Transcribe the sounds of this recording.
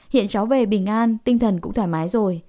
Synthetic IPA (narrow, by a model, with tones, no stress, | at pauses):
hḭ˧˨ənt͡ɕa˨˦wve˨˩ɓï˧˩ŋ̟ʔaː˧nt̪ï˧ŋ̟t̪ʰə˨˩nkʊ̰˧˥ŋ͡mt̪ʰaː˧˩maː˨˦jzo˨˩j